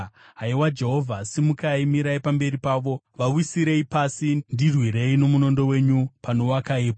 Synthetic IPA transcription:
ɦaiwad͡ʒe̞ɦo̞vʱasimukaimiɾaipambe̞ɾipaːʋo̞ | ʋawisiɾe̞ipasindirwiɾe̞ino̞muno̞ndo̞we̞ːɲupano̞wakaiːpo

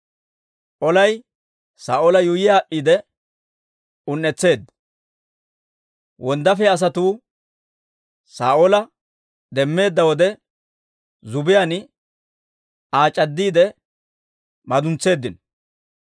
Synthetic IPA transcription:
ʔɔlɐj | saːʔolɐjʊjɪjaːʔːiːd̪ɛ | ʊnːɛt͡sːe̞ːd̪ːɐ | wʔɔnd̪ɐfɛɐs̬ɐt̪uː | saːʔolɐ | d̪ɛmːe̞ːd̪ːɐwɔd̪ɛ | zʊbɪjan | aːt͡ʃʼɐd̪ːiːd̪ɛ | mɐd̪ʊnt͡sːe̞ːd̪ːɪnɔ

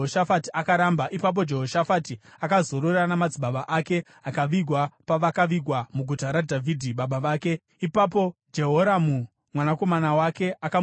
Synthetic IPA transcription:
oʃafatiʔakaɾambaʔipap̬o̞d͡ʒe̞ɦoʃafatiakazo̞ɾorranamad͡ziɓaɓaʔake̞ | akaʋiɡʱwapaʋakaʋiɡʱwamuɡʱutaɾadʱavʱidʱiɓaɓaʋaːke̞ | ipap̬o̞d͡ʒe̞ɦoɾamu | mwanako̞manawake̞aka

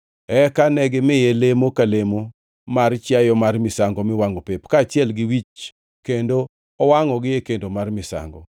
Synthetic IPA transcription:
ɛkanɛɡɪmɪjelemokalemo | mart͡ʃjajɔmarmɪsaŋɡɔmɪwaŋɔpepkaːt͡ʃɪɛlɡɪwit͡ʃ | kendo | ɔwaŋɔɡɪjekendomarmɪsa̰ŋɡɔ̰

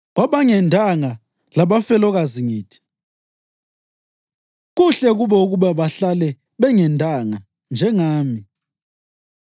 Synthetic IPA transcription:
ɣwaɓaŋɛndʱaŋa | laɓafɛlɔɣaziŋiːtʰi̥ | ɣuɬɛɣuβɛuɣuɓaβaɬalɛ | ɓɛŋɛndʱaŋa | nd͡ʒʱɛŋaːmi

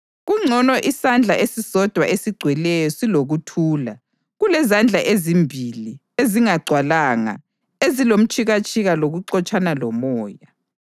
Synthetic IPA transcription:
ɣuŋ͡ǀʱɔnɔʔisand͡ɮʱaʔesisɔd̥ʱwa̰ʔesiɡ͡ǀʱwɛlɛjɔsiloɣutʰuːla | ɣulɛzand͡ɮʱaʔezimbʱili | eziŋaɡ͡ǀʱwalaːŋa̰ | ezilom̩t͡ʃʰʼiɣat͡ʃʼʰiɣaloɣuǀɔt͡ʃʼanalɔmɔːja

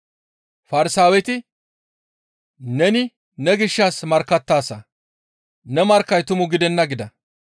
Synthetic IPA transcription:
fɐɾɪsaːwɛt̪ɪ | nɛnɪ | nɛɡɪʃːasmɐɾkːɐt̪ːaːsɐ | nɛmɐɾkːɐjt̪ʊmʊɡɪd̪ɛnːɐɡɪd̪ɐ

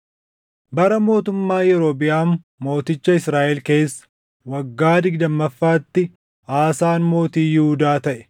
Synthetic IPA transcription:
bɐɾɐmo̞ːt̪ʊmːaːjɛɾoːbɪjaːmː | o̞ːt̪ɪt͡ʃːɐɪsɾaːʔɛlke̞ːsːɐ̥ | wɐɡːaːd̪ɪɡd̪ɐmːɐfːaːt̪ːɪ | aːsaːnmo̞ːt̪iːjɛhʊd̪aːt̪ɐʔɛ̥

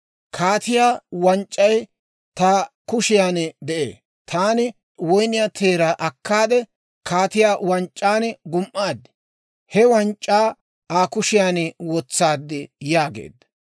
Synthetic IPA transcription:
kʰaːt̪ɪjaːwɐnt͡ʃʼːɐj | t̪aːkʊʃɪjaːnd̪ɛʔḛː | t̪ʰaːnɪ | wɔjnɪjat̪ʰeːɾaʔɐkːaːd̪ɛ | kʰaːt̪ɪjaːwɐnt͡ʃʼːaːnɡʊmʔːaːd̪ɪ̥ | hɛwɐnt͡ʃʼːaː | aːkʊʃɪjaːnwɔt͡sːaːd̪ːɪjaːɡḛːd̪ːɐ

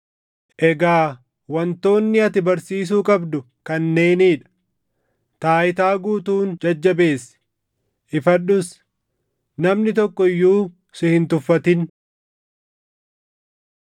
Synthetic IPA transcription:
ʔɛɡaː | wɐnt̪o̞ːnːɪɐt̪ɪbɐɾsiːs̬uːkʼɐbd̪ʊ | kɐnːe̞ːniːᶑɐ̥ | t̪aːɪt̪aːɡuːt̪uːnd͡ʒɐd͡ʒːɐbe̞ːsɪ̥ | ʔɪfɐɗʊs | nɐmnɪt̪ɔkːɔɪjːuː | sɪhɪnt̪ʊfːɐt̪ɪn

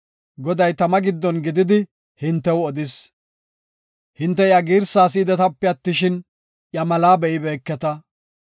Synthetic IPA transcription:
ɡɔd̪ɐjt̪ɐmɐɡɪd̪ːɔnɡɪd̪ɪd̪ɪ | hɪnt̪ːɛwɔd̪ɪs | hɪnt̪ːɛjɐɡiːɾsaːs̬iːd̪ɛt̪ɐpːɛɐt̪ːɪʃɪn | jɐmɐlaːbɛʔɪbeːkːɛt̪ɐ

